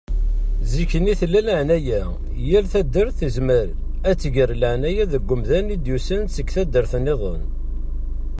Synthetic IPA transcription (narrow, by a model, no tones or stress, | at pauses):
zikːəniθlːæləʕnæjæ | jælθæd̪ːəɾθəzməɾ | æt͡sːəʝəɾləʕnæjæðəɡʷːʊmðænid̪jusænsəkːθæd̪ːəɾθniðˤən